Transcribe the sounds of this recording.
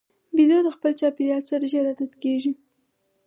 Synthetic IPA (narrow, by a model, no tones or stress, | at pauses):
bizod̪əxpəlt͡ʃɑpeɾjɑlsaɾaʒaɾad̪at̪keʒi